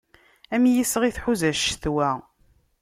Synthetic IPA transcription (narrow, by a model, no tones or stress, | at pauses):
æmjisəʁiθħuzæʃθwæ